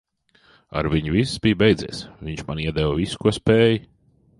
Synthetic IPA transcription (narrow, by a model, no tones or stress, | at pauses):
a̰ɾviɲuvisːbiːbɛjd̪ziɛsviɲt͡ʃmaniɛd̪ɛwviskuɔspɛːj